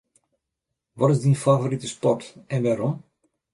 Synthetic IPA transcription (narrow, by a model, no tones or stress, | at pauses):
ʋɔtɪzdinfavoɾitəspɔrtɛnʋaːɾɔm